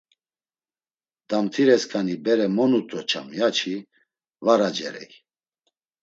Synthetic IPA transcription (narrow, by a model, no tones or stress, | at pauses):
d̪̥amt̪ʰiɾɛskʰanibɛɾɛmɔnut̪ʼɔt͡ʃʰa̰mjat͡ʃʰi | vaɾad͡ʒɛ̰ɾɛ̰j